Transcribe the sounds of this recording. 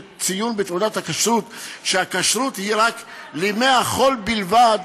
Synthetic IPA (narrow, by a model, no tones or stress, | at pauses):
t͡sijunbet̪udat̪hakaʃɾut̪ʃeakaʃɾut̪ihiʁaklemeaχo̞lbilvad̪